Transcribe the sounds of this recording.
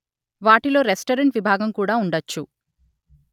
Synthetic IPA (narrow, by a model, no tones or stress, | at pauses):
ʋaːʈilo̞ːɾesʈɐɾeɳʈʋibʱaːɡɐmkuːɽaːuɳɖɐt͡ʃːu